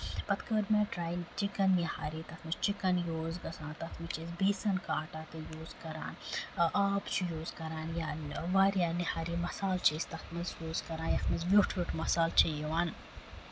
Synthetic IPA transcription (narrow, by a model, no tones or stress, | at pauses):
pɐt̪kəɾmɐʈɾaːjnt͡ʃikɐnːihaːɾiːt̪ɐxmɐzt͡ʃikɐnjoːzɡɐsãːnt̪ɐt̪ʰmit͡ʃezbeːsɐnkaːʈaːt̪ɨjoːzkɐɾa̰ːnʔaːpt͡ʃʰujoːzkɐɾaːnjaːʋaːɾijaːnihaːɾimɐsaːlt͡ʃeːst̪ɐt̪ʰmɐzjoːzkɐɾaːnjɐxmɐzʋjuʈʰʋʲuʈʰmɐsaːlt͡ʃʰɐjɐʋaːn